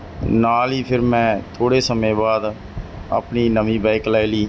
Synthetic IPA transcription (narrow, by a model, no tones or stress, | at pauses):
naːliːpʰɪɾmɛ̃ːt̪ʰoːɽeːsəmẽːbaːd̪ | ə̰pniːnəmĩːbɛːklaːiliː